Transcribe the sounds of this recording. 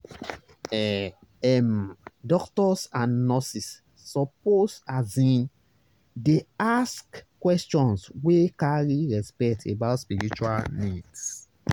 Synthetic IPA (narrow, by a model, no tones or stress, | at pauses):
ɛ | ɛmdɔktɔsãnːɔsisː | ɔposazĩn | deaskkːwɛst͡ʃɔ̃nswekaɹiɹɛspɛktʰebaʊtspiɹit͡ʃua̰lnids